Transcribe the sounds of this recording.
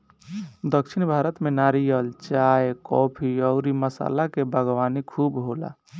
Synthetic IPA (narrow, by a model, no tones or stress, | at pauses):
d̪əkt͡ʃʰinbʱaɾət̪menaɾijəlt͡ʃaekɔpʰiɔʊɾiməsa̰lakebəɡʋanikʰubɦola̰